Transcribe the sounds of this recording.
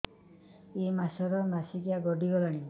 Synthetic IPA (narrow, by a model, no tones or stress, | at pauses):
emasɔɾɔmasikijaɡɔɖiɡɔlaɽ̃i